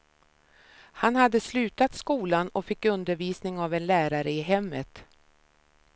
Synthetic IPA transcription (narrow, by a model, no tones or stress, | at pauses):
hanhad̪ːəslʉ̟ːt̪at̪skuːlanɔfɪkːɵnd̪əɾviːsnɪŋavɛnlæːɾaɾəɪɦɛmːət̪